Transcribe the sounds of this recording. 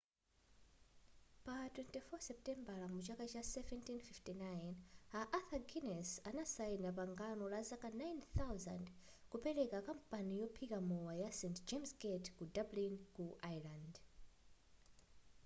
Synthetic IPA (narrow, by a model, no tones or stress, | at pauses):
patwɛntifɔsɛp̚tɛmbalamut͡ʃakat͡ʃasɛvɛntinfiftinajnaʔaθaɡinɛsanasainapaŋɡanɔlazakanajnθawza̰nd | kupɛlɛkakam̩panijɔpʰikamɔwajasɛntd͡ʒemsɡɛtkudablinkuʔajland